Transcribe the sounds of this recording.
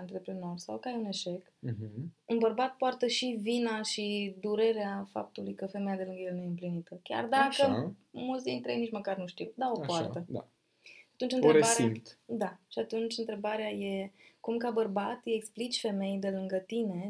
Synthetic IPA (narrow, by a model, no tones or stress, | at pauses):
ɨnt̪ɾe̞pɾino̞rsawkəajune̞ʃe̞k̩unbərbat̪̚poart̪əʃivinaʃid̪uɾe̞ɾeafa̰p̚t̪ulujkəfe̞mejad̪e̞lɨŋɡəjelnuje̞ɨmplinit̪əkʲa̰rd̪akəmult̪s̬d̪int̪ɾeejnit͡ʃməkarnuʃt̪iwd̪aopoart̪əd̪a̰ | at̪unt͡ʃɨnɾeɾebaaɾit̪d̪aʃiat̪unt͡ʃʲɨnt̪ɾe̞baɾeaje̞kumkabərbat̪ɨeksplit͡ʃʲfe̞me̞jd̪e̞lɨŋɡət̪ine̞